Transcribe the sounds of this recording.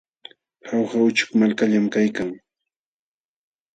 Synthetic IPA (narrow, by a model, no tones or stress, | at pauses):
hawxaʊt͡ʃʊ̥kmalkaʎamkajkaŋ